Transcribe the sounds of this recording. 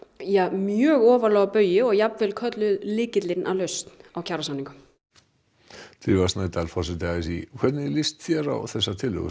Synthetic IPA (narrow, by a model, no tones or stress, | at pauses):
jamjœːɣɔːvalɔːɣapœːɥjɪɔɣjapvɪlkʰœt̪lʏðlɪːcɪt̪lɪnʔa̰wlœɥst̪n̥awcʰaɾasaniŋkʏ | t̪iːvasnat̪alfɔrsɪt̪aðɪsḭkʰvɛt̪nɪlist̪θjɛɾa̰wθɛsːat̪ʰɪlœ̰ɣʏ̰